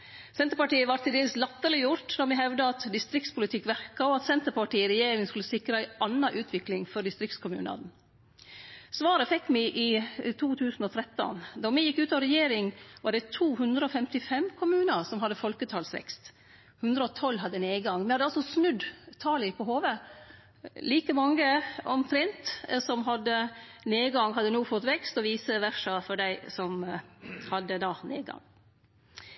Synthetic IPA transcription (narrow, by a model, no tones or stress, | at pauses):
sɛnt̪əpɑʈiːəʋɑɾt̪ʰːɪld̪eːləslɑt̪ːəlɪjʊɾʈnɔɾmɪɦɛʋd̪əɑt̪d̪ɪst̪ɾɪk̚t̪spʰʊlɪt̪ʰɪkːʋæɾkɑɔɑt̪sɛnt̪əɾpɑʈiːɾɛjeːɾɪŋskʉləsɪkɾəæɪʔɑnːɑʔʉːt̪ʰʋɪklɪŋfɔɖɪst̪ɾɪkt̪skʰʊmʉ̰ːnɑ̰d̪n̩ | sʋɑːɾəfɛkːmɪʔɪt̪ʰuːt̪ʰʉːsn̩ɔt̪ʰɾɛt̪ːɔ̰nd̪ɔmɪjɪkːʉːt̪ɑʋɾɛjeːɾɪŋʋɑɖɛt̪ʰuːhʉnd̪ɾəɔfɛmt̪ɪfɛmkʰʊmʉːnəɾsɔmɦɑd̪ːəfɔlkət̪ʰɑːlsʋɛ̰kst̪ | hʉnd̪ɾəɔt̪ʰɔlːɦɑd̪ːəneːɡɑŋmɛhɑd̪əɑlsɔsnʉd̪t̪ʰɑːlɪpʰɔɦoːʋə | liːkəmɑŋːəɔmt̪ʰɾɛnt̪sɔmɦɑd̪ːəneːɡɑŋɦɑd̪ːənuːfɔt̪ːʋɛkst̪ɔʋiːsəʋæʂɑfɔɖæɪsɔm | hɑd̪ːəd̪ɑːnḛːɡɑ̰ŋ